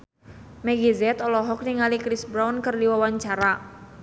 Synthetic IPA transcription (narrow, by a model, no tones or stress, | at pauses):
mɛɡizɛt̪ɔlɔɦɔk̚niŋalikɾisbɾawnkɨrdiwawaɲt͡ʃaɾa